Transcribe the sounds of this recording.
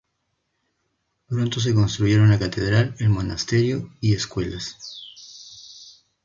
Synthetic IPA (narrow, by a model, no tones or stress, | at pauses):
pɾont̪os̬e̞ko̞nst̪ɾuʝe̞ɾonlakat̪eðɾalelmo̞nast̪eɾjoieskwe̞las